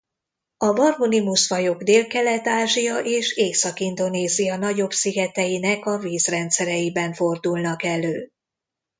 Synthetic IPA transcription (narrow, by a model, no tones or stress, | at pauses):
ɒbɒrmunimusfɒjo̞ɡd̪eːlkɛlɛt̪aːʒijɒʔeːʃeːsɒkind̪o̞neːzijɒnɒɟo̞bsiɡɛt̪ɛjinɛkɒviːzrɛnt̪sɛɾɛjibɛɱfo̞rd̪ulnɒkɛløː